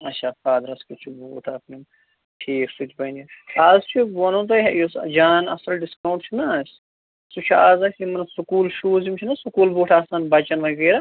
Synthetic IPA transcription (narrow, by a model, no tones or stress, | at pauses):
ɐt͡ʃʰaːfaːd̪ɾɐskit͡ʃʰuboːʈʰaːpnim | ʈʰeːksit̪bɐniaːzt͡ʃʰubonoːt̪̬ɐɦjosd͡ʒaːnɐ̰sɐlɖiskɐwɳʈt͡ʃʰunɐs | sut͡ʃʰuaːzasimɐnɐsukuːlʃuːzimt͡ʃʰinɐsukuːlboːʈʰaːsɐnbɐt͡ʃɐnʋɐɡeːɾa